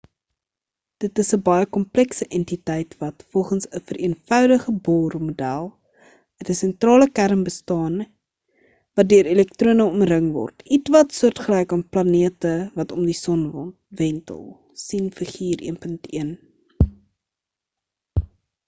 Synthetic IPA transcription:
d̥ətəsəbɐjəkɔmplɛksəʔɛntitɛjtvɐtfɔlˠχənsəfəɾiənfœwdəχəbɔːrmudælˠ | ətəsɛntrɑːləkærmbəstɑːn | vɐt̚døəɾelɛk̚truənəɔmrəŋvɔ̰rtʰitvɐtsuərtχəlɛjkɑnplɐniətəvɐtɔmdisɔnvɔ̰n | vɛntə̰lˠ | sinfəχiːrʔḭənpəntiən

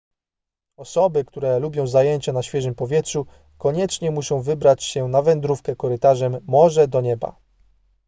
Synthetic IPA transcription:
ɔsɔbɘkt̪uɾɛlubʲjɔ̃w̃zajɛɲt͡ɕanaɕfʲɛʐɘmpɔvʲjɛtʂu | kɔɲɛt͡ʂɲɛmuɕɔ̃w̃vɘbɾat͡ɕɕɛnavɛnd̪ɾufkɛkɔɾɘt̪aʐɛmːɔʐɛd̪ɔɲɛba̰

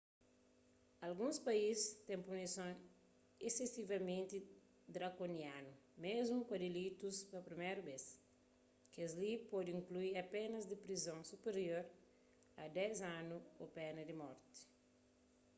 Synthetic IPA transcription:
ɐlɡũspɐist̪ɛ̃ŋpunisõŋ | esesivɐmẽnt̪i | d̪ɾɐkonianumezmukɐd̪elit̪uspɐpɾimeɾubes | kɐzlipɔd̪ĩŋkluiɐpenɐzd̪ipɾizõŋsupeɾjoɾ | ɐd̪ɛzãnuopɛnɐd̪imɔɾt̪i̥

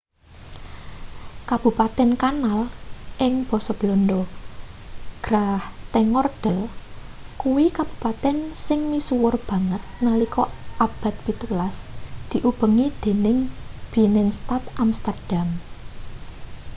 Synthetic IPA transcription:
kab̥ṳpat̪ɛnkanalʔɪŋb̥ɔ̤sɔb̥lond̪ɔ | ɡ̥ɾaht̪ɛŋɔrd̥əl | kuwikab̥ṳpat̪ɛnsɪŋmisuwʊrb̥ä̤ŋət̪̚nalikɔʔab̥a̤t̪̚pit̪ulasd̪̥i̤ʔub̥ə̤ŋid̪̥e̤nɪŋb̥i̤nɪŋst̪at̪amst̪ərd̥am

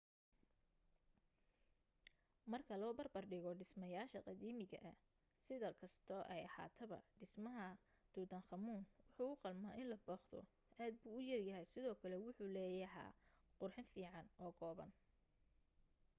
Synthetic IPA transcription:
mɐrkʰɐlɔːbɐrbɐrɖɪɣɔɖɪsmɐjaːʃɐqɑd̪iːmɪɣɐ̰ʔɐ | sɪðɐkʰɐst̪ʰɔʔɛjɐha̰ːt̪ʰɐβɐ̰ɖɪsmɐɦɐ | d̪̥uːd̪ɐnχɑmuːnwʊħuːʊqɑlmaːʔɪnlɐbɔːχd̪ɔ̰ | ʔaːd̪̚buːʊjɐrjɐɦɛjsɪðɔːkʰɐlɛwʊħuːlɛːjɐɦa̰ːqʊrħɪnfiːʕɑnʔɔːɡʰɔːβɐ̰n

